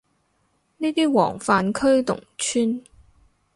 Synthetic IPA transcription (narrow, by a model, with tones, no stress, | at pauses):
niː˥t̪iː˥wɔ̰ː˨˩ŋfaː˧nkʰɵ˥ɥt̪ʊ̰˨˩ŋt͡ʃʰyː˥n